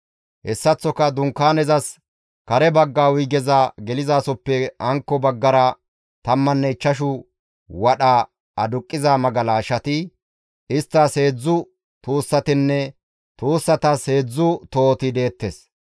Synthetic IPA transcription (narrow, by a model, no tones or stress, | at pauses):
hɛsːɐt͡sːɔkɐd̪ʊŋkːaːnɛzɐs | kɐɾɛbɐɡːaːwʊjɡɛzaɡɛlɪzaːsɔpːɛɐŋkːɔbɐɡːɐɾɐ | t̪ɐmːɐnːɛɪt͡ʃːɐʃ̬ʊ | wɐɗa | ɐd̪ʊkʼːɪzamɐɡɐlaːʃɐt̪ɪ | ɪst̪ːɐse̞ːd͡zːʊ | t̪uːsːɐt̪ɪnːɛ | t̪uːsːɐt̪ɐsheːd͡zːʊt̪oːt̪ɪd̪e̞ːt̪ːes